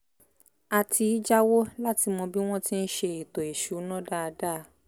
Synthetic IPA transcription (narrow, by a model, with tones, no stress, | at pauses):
a˧tʰi˧i˦d͡ʒa˦wo˦la˦ti˧mɔ̃˧bi˦w̃ɔ̃˦ti˦n̩˦ʃe˧i˨to˨e˨ʃu˨˦nɔ̃˦da˦˧da˦˧